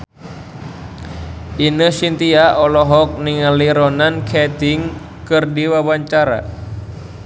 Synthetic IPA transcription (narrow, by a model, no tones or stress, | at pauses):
inəhsint̪iaɔlɔɦɔk̚niŋaliɾɔnankʰɛt̪iŋ | kɨrdiwawaɲt͡ʃaɾa̰